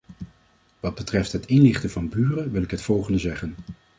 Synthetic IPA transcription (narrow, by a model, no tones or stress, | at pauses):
ʋɑd̚bətrɛftɦətɪnlɪχtəvɑnbyːrəʋɪlˠɪkɦətfɔlˠχəndəzɛχən